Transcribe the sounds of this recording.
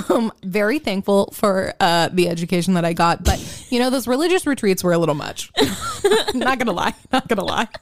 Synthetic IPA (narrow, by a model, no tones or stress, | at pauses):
mvɛɹiθæ̃ŋkfl̩ˠfə˞ʌðiɛd͡ʒɨkʰeɪʃn̩ðəɾaɪɡɑt̚b̥ʌt̚jɨñoʊðoʊzɹilɪd͡ʒɨsɹɨtʰɹ̥itswə˞əlɪɾl̩ˠmʌ̰t͡ʃ | nət̚ɡ̥ʌnəla̰ɪnət̚ɡ̥ʌnəla̰ɪ